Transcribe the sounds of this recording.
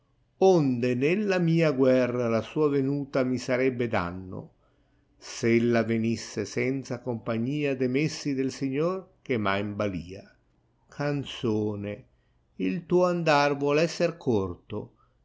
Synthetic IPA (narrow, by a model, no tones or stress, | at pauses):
ond̪enelːamiːaɡwɛrːalasuːavenuːt̪amisaɾɛbːed̪a̰nːo̰ | selːavenisːesɛnt̪sakompaɲːiːad̪emesːid̪elsiɲːork̟emajmbaliːa | kʰant̪soːne | ilt̪uːoand̪arvwɔlɛsːerkʰort̪o̰